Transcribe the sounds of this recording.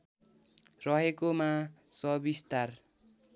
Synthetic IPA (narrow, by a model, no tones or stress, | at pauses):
rʌɦekomãsʌbist̪ar